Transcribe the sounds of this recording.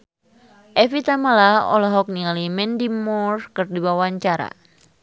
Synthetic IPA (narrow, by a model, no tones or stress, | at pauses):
ʔɛfit̪amalaɔ̰laɦɔk̚nialimɛndimɔrkɨrdibawaɲt͡ʃaɾa̰